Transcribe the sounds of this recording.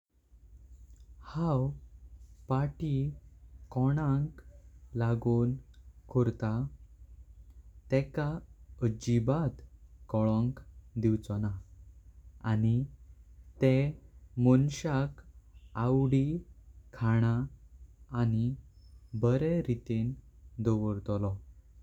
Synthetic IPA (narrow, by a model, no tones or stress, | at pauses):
haw | paʈi | kɔɽ̃ãŋklaɡuːnkʰoɾt̪a | t̪ɛkaəd͡ʑibat̪kɔɭɔ̃ŋkd̪iwt͡sɔna | ani | t̪emɔnɕakawɽikʰaɽ̃aː | ni | bəɾeɾit̪end̪ɔʋəɾt̪ɔlɔ